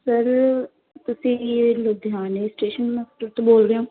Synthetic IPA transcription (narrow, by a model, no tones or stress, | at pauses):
səɾ | t̪ʊsĩːlod̪aːneːsʈeːʃənməsʈəɾt̪õboːlɾeõː